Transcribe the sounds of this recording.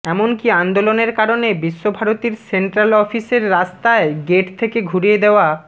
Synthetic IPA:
ɛmonkiand̪oloneɾkaɾonebiʃːobʱaɾot̪iɾseɳʈɾalɔfiseɾːast̪aeɡeʈt̪ʰekeɡʱuɾijed̪eoa

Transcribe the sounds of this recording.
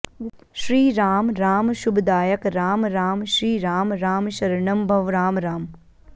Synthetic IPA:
ʃɾiːɾaːmɾaːmʃʊbd̪aːjəkɾaːmɾaːmʃɾiːɾaːmɾaːmʃɐɾɳəmbʱɐʋɾaːmɾaːm

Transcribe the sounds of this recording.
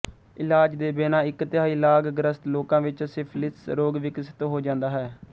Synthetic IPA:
ɪlaːd͡ʒd̪eːbeːnãːɪkt̪ɪjaːiːlaːɡɡɾəst̪loːkãːʋɪt͡ʃsɪpʰlɪsɾoːɡʋɪksɪ̥t̪ːɦoːd͡ʒãːnd̪aːɦɛː

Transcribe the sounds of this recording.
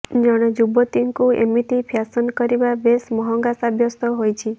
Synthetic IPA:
d͡ʒɔɽ̃ed͡ʒubɔt̪iŋkuḛmit̪ipʰjasɔnkɔɾibabesmɔɦɔ̃ŋɡasabʱjɔst̪ɔɦojt͡ʃʰi

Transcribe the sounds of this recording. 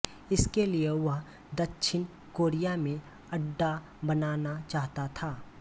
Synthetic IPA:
ɪskelieʋɐɦ | d̪ɐkʃʰɪn | koːɾijamẽ | ɐɖːa | bɐnaːnat͡ʃaːɦt̪at̪ʰaː

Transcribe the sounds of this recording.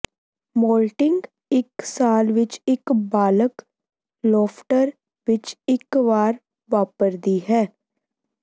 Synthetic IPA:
moːlʈɪ̃ŋɡ | ɪksaːlʋɪt͡ʃɪkbaːlək | lɔːfʈəɾ | ʋɪt͡ʃɪkʋaːɾ | ʋaːpəɾd̪iɦɛː

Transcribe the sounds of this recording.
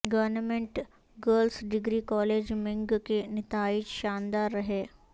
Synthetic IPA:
ɡəʋɾnəmeɳʈ | ɡəɾlsɖiɡɾiːkɔled͡ʑmeŋɡkenɪt̪ʰait͡ʃʃand̪aɾːəɦe

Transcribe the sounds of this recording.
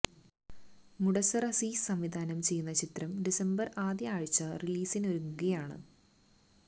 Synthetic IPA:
muɽɐsɐrɐsiːsɐmʋid̪ʱaːnɐmt͡ɕe̞jːunːɐt͡ɕit̪rɐmɖisɐmbɐraːd̪jɐaːɻit͡ɕːɐriliːsinoɾuŋːuɣɐjaːɳɨ̰

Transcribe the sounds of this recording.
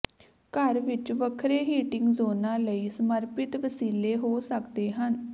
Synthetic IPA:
kəɾʋɪt͡ʃʋəkʰɾeːɦiːʈɪŋɡzoːnãːləiːsəməɾpɪt̪ʋəsiːleːɦoːsəkd̪eːɦən

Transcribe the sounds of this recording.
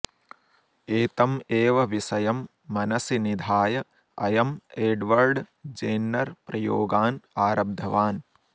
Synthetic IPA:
eːt̪ɐmeːʋɐʋisɐjɐmː | ɐnɐsinid̪ʱaːjɐ | ɐ̰jɐmeːɖʋɐɾɖd͡ʒeːnːɐɾpɾɐjoːɡaːnaːɾɐb̚d̪ʱɐʋaːn

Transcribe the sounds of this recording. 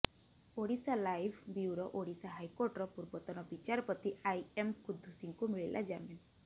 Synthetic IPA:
oɽisalajbʱbiuɾɔʔoɽisaɦajkoɾʈɔɾɔpuɾbɔt̪ɔnɔbit͡ʃaɾɔpɔt̪iajemkud̪ʱːusiŋkumiɭilʔa̰d͡ʒamin

